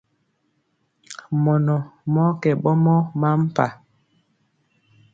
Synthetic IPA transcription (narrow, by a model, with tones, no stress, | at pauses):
mɔ˨nɔ˨mɔ˦kɛ˨ɓɔ˦mɔ˦ma˦m˦pa˨